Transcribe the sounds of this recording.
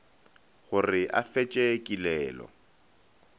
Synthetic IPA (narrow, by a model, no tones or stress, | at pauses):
χʊrɪʔa̰fet͡ʃʼekʼilɛːlɔ̰